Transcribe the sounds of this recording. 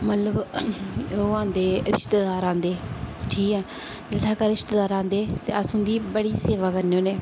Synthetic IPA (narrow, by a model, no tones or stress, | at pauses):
mət̪ləb | oãːnd̪eːɾɪʃt̪eːd̪aːɾãːnd̪eːʈʰiːkɛː | d͡ʒɪt̪ʰaːkaːɾɪʃt̪eːd̪aːɾãːnd̪eːt̪eːəsʊ̃nd̪iːbəɽiːseːʋaːkəɾneoːneː